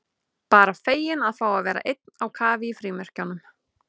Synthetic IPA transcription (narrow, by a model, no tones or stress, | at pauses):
paːɾafeːjɪnaðθaːwaðvɛːɾa̰ʔejt̪̚nawkʰaːvɪifɾiːmɛr̥canːʏm